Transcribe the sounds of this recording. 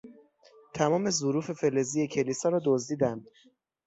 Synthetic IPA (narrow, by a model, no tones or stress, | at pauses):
t̪ʰæmɒːme̞zoɾuːfe̞felezije̞cʰe̞lisɒːɾɒːd̪ozd̪iːd̪ænd̪̥